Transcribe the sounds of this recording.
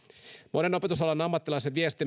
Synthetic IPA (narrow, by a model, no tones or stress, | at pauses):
mo̞ne̞no̞pe̞t̪us̬olɑnɑmːɑt̪ːilɑjseʋʋiest̪i